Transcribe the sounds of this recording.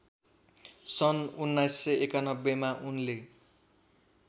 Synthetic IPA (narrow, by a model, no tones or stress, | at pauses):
sʌnunːajsːʌʔekanʌbːemaʔunle